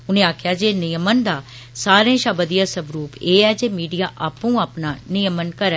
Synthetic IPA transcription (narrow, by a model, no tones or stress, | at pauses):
ʊnẽːaːkʰjaːd͡ʒeːnɪjəmənd̪aː | saːɾẽːʃaːbəd̪ijaːsəbɾuːpeːɛːd͡ʒeːmiːɖijaːʔaːpũːaːpnaːnɪjəmənkəɾɛː